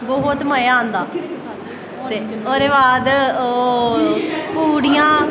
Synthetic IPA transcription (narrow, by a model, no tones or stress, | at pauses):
bɔɦʊt̪məjaːɦə̃nd̪aː | t̪eːoːɾeːbaːd̪ː | puːɽijãː